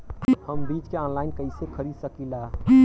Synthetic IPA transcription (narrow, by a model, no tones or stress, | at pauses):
həmbiːt͡ʃkeɔ̃ːnlaːɪnkəɪsekʰəɾid̪səkila